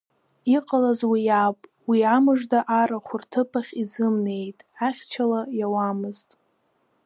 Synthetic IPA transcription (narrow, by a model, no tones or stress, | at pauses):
iqʼalazwijapʼ | wiamɨʐdaʔaɾaχʷʊrtʰɨpʰaχʲizɨmne̞jtʼaχʲt͡ʃʰalajawamɨztʼ